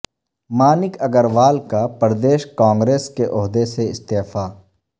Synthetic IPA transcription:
maːnɪkɐɡəɾʋaːlkapəɾd̪eːʃkãːŋɡɾeːskeʔʊɦd̪eseɪst̪eːfaː

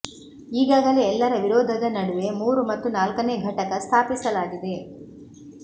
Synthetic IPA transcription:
iːɡaːɡɐleɛlːɐɾɐʋiɾɔːd̪ʱɐd̪ɐnɐɽuʋe̞muːɾumɐt̪ːunaːlkɐne̞ːɡʱɐʈɐkɐst̪ʰaːpisɐlaːɡid̪e̞

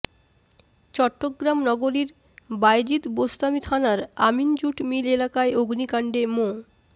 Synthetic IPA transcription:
t͡ɕɔʈːoɡɾamnɔɡoɾiɾ | bajd͡ʑit̪bost̪amit̪ʰanaɾamind͡ʑuʈmilelakaeoɡnikaɳɖemo

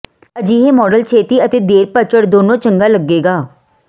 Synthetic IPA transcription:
əd͡ʒiːɦeːmɔːɖəlt͡ʃʰeːt̪iːət̪eːd̪eːɾpət͡ʃəɽd̪oːnõːt͡ʃəŋɡaːləɡːeːɡaː

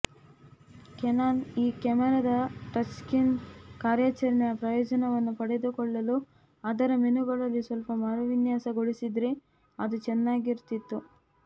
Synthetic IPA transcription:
kɛnaːniːkɐmɛɾɐd̪ɐʈɐt͡ʃkinkaːɾjaːt͡ʃɐɾɐɳɛjɐpɾɐjɔːd͡ʒɐnɐʋɐnːupɐɽed̪ukɔɭːɐlu | aːd̪ɐɾɐmenuɡɐɭɐlːisʋɐlpɐmaːɾɐʋinjaːsɐɡoɭisid̪ɾe | ɐd̪ut͡ʃɛnːaːɡiɾt̪it̪ːu

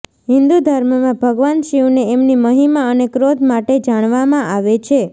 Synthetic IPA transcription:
ɦɪnd̪ud̪ʱəɾməmãbʱəɡʋanʃiuneːmniməɦimaənekɾod̪ʱmaʈed͡ʒaɽ̃ʋamãʔaʋet͡ʃʰe

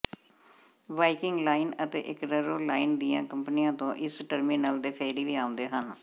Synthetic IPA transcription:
ʋaːikɪŋɡlaːinət̪ḛːʔɪkɾəɾoːlaːiːnd̪ijã̰ːkəmpnijãːt̪õːʔɪsʈəɾmiːnəld̪eːpʰeːɾiːʋiːaːõnd̪eːɦən

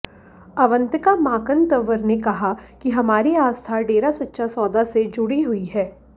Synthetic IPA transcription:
ɐʋə̃nt̪əkamaːkənt̪ɐʋəɾnekɐɦakiɦɐmaːɾiaːst̪ʰaɖeːɾasɐtːʃʰasɔːd̪ased͡ʒʊɽiɦʊiɦɛː

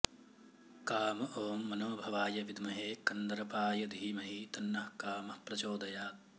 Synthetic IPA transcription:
kaːmɐʔoːmːɐnoːbʱɐʋaːjɐʋid̪mɐɦeːkɐnd̪ɐɾɐpaːjɐd̪ʱiːmɐɦit̪ɐnːɐhkaːmɐhpɾɐt͡ʃoːd̪ɐjaːt̪̚

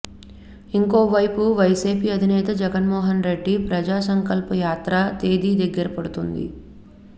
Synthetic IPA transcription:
iŋko̞ːʋɐjpuʋɐjsiːpiːɐd̪ʱinɛːt̪ɐd͡ʒɛɡɐnmɔːɦɐnɾe̞ɖːipɾɐd͡ʒaːsɐŋkɐlpɐjaːt̪ɾɐt̪eːd̪iːd̪eɡːɐɾɐpɐɽut̪und̪ḭ

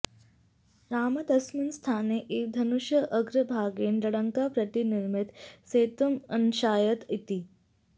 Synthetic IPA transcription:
ɾaːmɐd̪ɐsminst̪ʰaːneʔeːk̚d̪ʱɐnuʃjəʔɐɡɾəbʱaːɡeːnlɐɽəŋkapɾɐt̪iniɾmit̪seːt̪umɐnʃaːjət̪it̪i

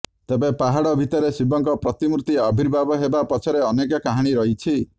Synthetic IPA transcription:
t̪ebepaɦaɽɔbʱit̪ɔɾesibɔŋkɔpɾɔt̪imuɾut̪iɔbʱiɾbʱabɔɦebapɔt͡ʃʰɔɾeɔnekɔkaɦaɽ̃iɾɔɦit͡ʃʰi

